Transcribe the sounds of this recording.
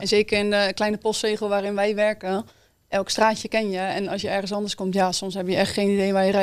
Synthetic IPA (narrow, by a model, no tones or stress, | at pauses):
ɛnzeːkərɪndəklɛjnəpɔstreːɣəlˠʋaːɾɪnʋɛjʋɛrkə | ʔɛlˠkstraːt͡ʃjəkɪnjəɛnɔsjəɛrɣən̩sɔndərskomtjaːsomshɦɛbjəɛxtxeːnidejʋajərɛ